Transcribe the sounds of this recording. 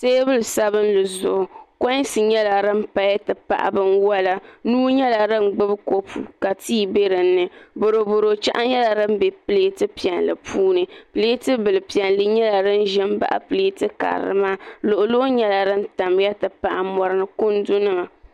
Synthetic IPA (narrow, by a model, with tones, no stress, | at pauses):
seː˦bɨ˦lɨ˨sa˦βɨ˦n˦lɨ˨zʊ˨ʔʊ˨kɔ˦n˦sɨ˨ɲɛ˦la˨ɾɨ˦m˦pa˨ja˦tɨ˨pa̰˨ʔa̰˨bɨ˦nwa˦la˨nuː˦ɲɛ˦la˨ɾɨ˦ŋ͡mɡ͡bɨ˦bko˦pʰṵ˨ka˨tʰiː˦be˦ɾɨ˨n̩ːɨ˨bo˨ɾo˨bo˨ɾo˨t͡ʃa̰˦ʔa˦ɲɛ˦la˨ɾɨ˦m̩˦be˨pɨ˦le˦tɨ˦pi˨ɛ˨nlɨ˨pʰuː˦nɨ˨pɨ˨le˦tɨ˦bɨ˨lɨ˨pi˨ɛ˨nlɨ˦ɲɛ˦la˨ɾɨ˦n̩˦ʒɪ˦m˦ba̰˦˨ʔa̰˨pɨ˨le˦tɨ˦ka̰˨ɾɨ̰˦ma˦lʊ˨ʔʊ˨lo˦ɲɛ˦la˨ɾɨ˦n˦ta˨m˦ja˦tɨ˨pa˨ʔa˨mɔ˨ɾɨ˦nɨ˨kʊ˦n˦dʊ˦nɨ˦ma˨